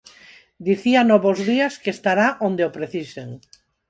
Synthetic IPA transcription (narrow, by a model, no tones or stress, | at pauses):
d̪iθianɔβozðiaskeːst̪aɾaʔõnd̪eopɾeθiseŋ